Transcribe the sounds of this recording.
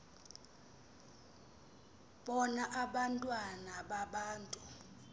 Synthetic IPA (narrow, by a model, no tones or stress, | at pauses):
ɓɔnaʔaɓantʼwanaɓaɓaːntʼu